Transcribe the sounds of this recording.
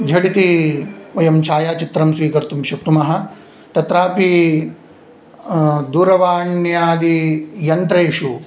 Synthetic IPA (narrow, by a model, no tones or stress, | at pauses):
d͡ʒʱɐɽit̪iʋɐjɐmt͡ʃʰaːjaːt͡ʃit̪ɾɐmsʋiːkɐɾt̪umʃɐk̚t̪umɐɦɐ̆ | t̪ɐt̪ɾaːpi | d̪uːɾɐʋaːɳjaːd̪ijɐnt̪ɾeːʃu